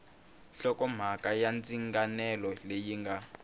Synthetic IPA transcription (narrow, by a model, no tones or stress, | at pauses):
ɬɔkɔm̤akʼajand͡ziŋɡanɛlɔlejiŋɡa